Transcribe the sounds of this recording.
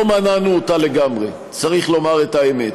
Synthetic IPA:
omananuotaleɡamʁe | t͡saʁiχlo̞maʁetaemet

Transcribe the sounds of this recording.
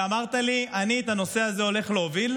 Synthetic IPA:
amaʁt̪aliʔaniet̪ano̞se̞aze̞o̞le̞χleovil

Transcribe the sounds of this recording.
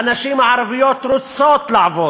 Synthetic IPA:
anaʃimaʕaɾavijot̪ɾot͡sot̪laʕvo

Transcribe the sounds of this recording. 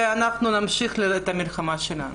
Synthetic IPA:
eanaχnunamʃiχleet̪amilχamaʃela̰nu

